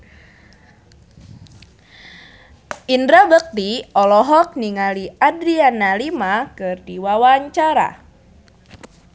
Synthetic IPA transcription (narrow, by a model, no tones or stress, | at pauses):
ʔindɾabək̚diɔlɔɦɔk̚niŋaliadɾianalimakɨrdiwawaɲt͡ʃaɾa̰